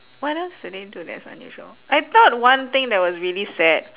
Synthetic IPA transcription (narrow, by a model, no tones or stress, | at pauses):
waɾãstudẽntudɛ̰tsɔ̰̃njɔ̰ʃo̰ʔajt̪ɔt̚wãnt̪ɪ̃ŋdɛt̚wɔsɹilisɛd̥̚